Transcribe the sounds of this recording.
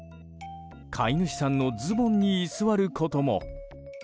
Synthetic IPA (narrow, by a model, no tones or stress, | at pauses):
kʰainɯ̟ɕi̥sãnːo̞d͡zɨbõ̞ɲ̟ːiːsɨβaɾɯ̟kʰo̞t̪o̞mo̞̰